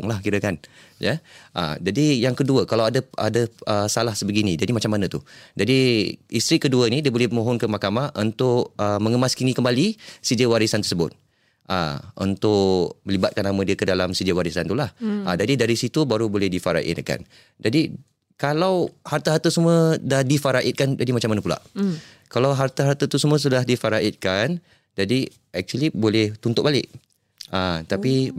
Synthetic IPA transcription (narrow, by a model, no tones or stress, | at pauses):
ŋlahkiɾəkan | jəʔa̰d͡ʒadijaŋkəduəkalawadaa̰daəsalahsəbəɡinid͡ʒadimat͡ʃamːanat̪ud͡ʒadiist̪ɾikəduənidiəbolɛhpəmõɦɔnkəmahkamaʔunt̪ʊʔəməŋəmaskinikəmbalisid͡ʒəwaɾisant̪ərsəbʊt̪̚ | ʔa̰ṵnt̪ʊʔmə̃libat̪̚kanamə̃diəkədalamsid͡ʒəwaɾisant̪ulahʔad͡ʒadidaɾisit̪ubaɾubolɛhdifaɾa̰ʔɪ̰t̪ka̰n | d͡ʒadi | kalawhart̪aɦart̪asəmədahdifaɾaʔɪt̪̚kand͡ʒadimat͡ʃamːanəpula̰ʔkalawɦart̪aɦaɾt̪at̪usəmũə̃s̬udaɦdifaɾaʔɪt̪̚kan | d͡ʒadi | ɛk̚t͡ʃuəlibolɛht̪unt̪ʊʔ̚balɪʔ | ʔat̪api